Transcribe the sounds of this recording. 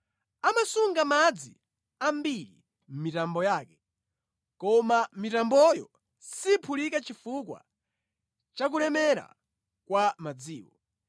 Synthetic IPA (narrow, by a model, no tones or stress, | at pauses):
amasuŋɡamad͡zi | ambiɾḭ | m̩mitambɔjaːkɛ | kɔmamitambɔjɔ | sipʰulikat͡ʃifukwa̰ | t͡ʃak̬ulɛmɛɾa̰ | kwamad͡ziːwɔ